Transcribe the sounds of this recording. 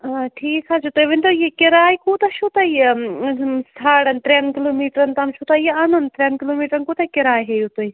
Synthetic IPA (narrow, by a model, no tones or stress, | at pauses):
ʈʰiːkʰad͡ʒut̪ojʋind̪ojekɪɾaːjkuːt̪aʃut̪aje | saːɽɐnt̪ɾɐnkɪloːmiːʈɾɐnt̪ɐmʃʰut̪ajeɐnunt̪ɾʲeɐnkɪloːmiːʈɾɐnkuːt̪akɪɾaːjɦejut̪oj